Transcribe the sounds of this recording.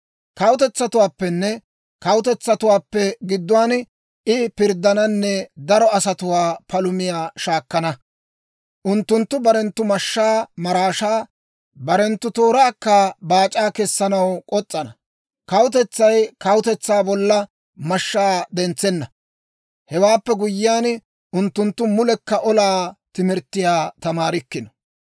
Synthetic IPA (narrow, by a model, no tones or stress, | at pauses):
kɐwʊt̪ɛt͡sːɐt̪ʊwaːpːɛnːɛ | kɐwʊt̪ɛt͡sːɐt̪ʊwaːpːɛɡɪd̪ːʊwaːn | ʔɪpɪɾd̪ːɐnɐnːɛd̪ɐɾɔɐsɐt̪ʊwaːpɐlʊmɪjaːʃaːkːɐnɐ | ʔʊnt̪ːʊnt̪ːʊbɐɾɛnt̪ːʊmɐʃːaːmɐɾaːʃaː | bɐɾɛnt̪ːʊt̪o̞ːɾaːkːabaːt͡ʃʼaːkɛsːɐnɐwkʼɔt͡sʼːɐnɐ | kɐwʊt̪̬ɛt͡sːɐjkɐwʊt̪ɛt͡sːaːbɔlːɐ | mɐʃːaːd̪ɛnt͡sːɛnːɐ | hɛwaːpːɛɡʊjːɪjaːn | ʔʊnt̪ːʊnt̪ːʊmʊlɛkːɐʔɔlaːt̪ɪmɪɾt̪ːɪjaːt̪ɐmaːɾɪkːɪnɔ̥